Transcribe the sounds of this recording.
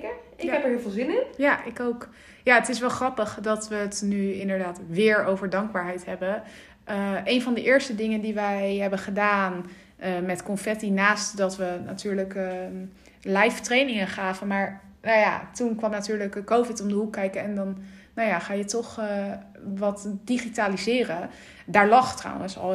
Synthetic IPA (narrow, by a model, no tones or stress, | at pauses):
ɪkɛpəɹɦɪːlˠvɪlˠzɪnɪnjaʔɪkowk | jaːətɪsʋɛlˠχrɑpəχdɑtʋətnyɪndəɹdaːtʋɪːɹowvəɹdɑŋɡ̚baːɹɦɛjtɦɛbə | əʔejnvɑndəʔɪːɹstədɪŋəndiʋɛjɦɛbənχədaːn | əmɛtkɔnfɛtinaːstdɑtʋəna̰tyːɹlək | lɛjftrejnɪŋənχaːvənmaːɹ | naja̰tunkʋɑmnatyːɹləkːowvɪtɔmdəɦukːɛjkəɛndɑnː | awjaːχaːjətɔχ | ʋɑtdiχitaːlizɪːrən | daːɹlɑχtra̰wə̰nsɑ̰l